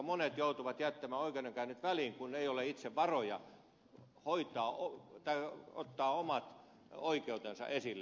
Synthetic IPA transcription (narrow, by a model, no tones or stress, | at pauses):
monet̪jout̪uʋɑt̪jæt̪ːæmæːoikenːeŋkæynyt̪ʋæliːŋkuneijoleit̪seʋʋɑrojɑ̰ | hoit̪ˑɑːot̪ɑio̰t̪ːɑːomɑt̪ | oikeut̪ensɑ̰ʔesilːe